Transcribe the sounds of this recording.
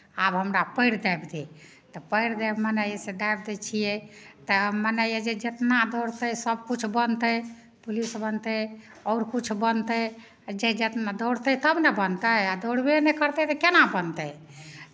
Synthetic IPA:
abɦəmɾapəɪɽd̪abd̪e | t̪ɔpəɪɽd̪ɛbmənəjesed̪ajb̚d̪ɛt͡ʃʰijɛt̪əɦmənəjjed͡ʒed͡ʒet̪nad̪ɔɽt̪əjsəb̚kut͡ʃʰbənt̪əj | pulisbənt̪ə | ɔʊɾkut͡ʃʰbənt̪ə | d͡ʒed͡ʒet̪nad̪əɽ̤t̪ət̪əbnebənt̪əad̪əɽbenɛkəɾt̪ɛt̪əkenabənt̪əj

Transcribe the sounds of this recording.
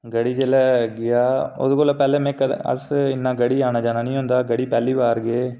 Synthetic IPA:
ɡəɽiːd͡ʒeːlɛːɡɪjaːʊ̰skoːlapɛːleːmɛ̃ːkəə̰sɪnːaːɡəɽiːaːnaːd͡ʒaːnaːnĩːɦʊ̃nd̪aːɡəɽiːpɛːliːʋaːɾɡeː

